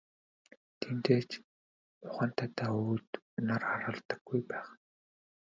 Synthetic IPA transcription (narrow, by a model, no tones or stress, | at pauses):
t̪ʰent̪eːt͡ɕ | ʊχə̆n̥t̪ʰat̪aːuwt̪ | naraɾə̆ɮt̪ə̆ɡːujpæːχ